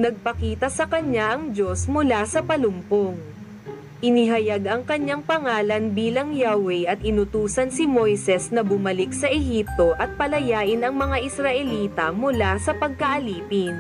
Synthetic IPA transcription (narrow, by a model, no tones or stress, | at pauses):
nɐɡ̚pɐkiːt̪ɐsɐkɐɲaʔɐŋd͡ʒo̞smʊlasɐpɐlʊmpoŋ | ʔɪnɪɦɐjaɡʔɐŋkɐɲːaŋpɐŋaːlɐnbiːlɐŋjawɛjʔɐt̪̚ʔɪnʊt̪uːsɐnsɪmojsɛsnɐbʊmɐlɪk̚sɐʔɛɦip̚t̪o̞ʔɐt̪̚pɐlɐjaːʔɪnɐŋmɐŋaʔɪsɾɐʔɛliːt̪ɐmʊlasɐpɐɡ̚kɐʔɐliːpɪn